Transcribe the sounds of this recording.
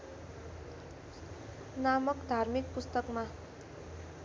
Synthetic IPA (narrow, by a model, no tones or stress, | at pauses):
namʌkd̪ʱarmik̚pust̪ʌkma